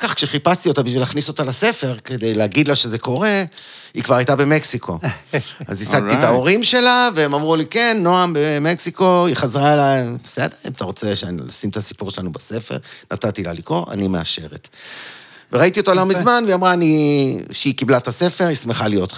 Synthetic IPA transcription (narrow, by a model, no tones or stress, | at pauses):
kaχkʃeχipast̪io̞t̪abiʃvilaχniso̞t̪alase̞fe̞ʁked̪ejleaɡid̪laʃe̞ze̞ko̞ʁe̞ | ikvaʁajtabe̞meksikʰo̞ | a̰zisaɡ̪̚itao̞ʁimʃe̞laveemamʁulike̞nːo̞ambemeksiko̞iχazʁaelaembese̞deʁḭmat̪aʁo̞t͡seʃla̰simt̪asi̥puʁʃelanubase̞fḛʁnat̪at̪ila̰likʁo̞a̰nimea̰ʃeʁḛt | veʁait̪io̞tolamizmanveiamʁaːniʃeikiblat̪ase̞fe̞ʁismeχalijo̞t